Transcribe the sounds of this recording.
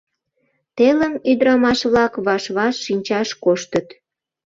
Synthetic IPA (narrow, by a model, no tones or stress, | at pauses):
t̪eləmyd̪əɾɑmɑʃβlɑkβɑʃβɑʃːinʲt͡ɕɑʃkoʃt̪ət̪